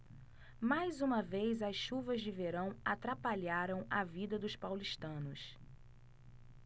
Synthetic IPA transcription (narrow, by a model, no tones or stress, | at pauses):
majzũmɐvejzɐsʃuvɐzd͡ʒɪveɾɐ̃w̃at̪ɾapaʎaɾɐ̃w̃ɐvid̪ɐd̪ʊspawliʃt̪ɐ̃nʊs